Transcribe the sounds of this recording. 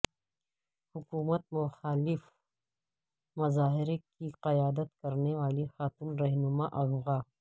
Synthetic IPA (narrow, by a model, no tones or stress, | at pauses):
hʊkuːmət̪̚mʊxaːlɪf | mɐzaːɦɪɾekiqɐjaːd̪ət̪kɐɾnewaːlixaːt̪uːnɾɐɦnʊmaʔɐɣɣaː